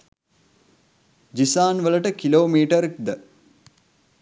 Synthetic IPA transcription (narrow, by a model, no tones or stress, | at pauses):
d͡ʒisaːnʋələʈəkiloːmiːʈəɾekd̪ə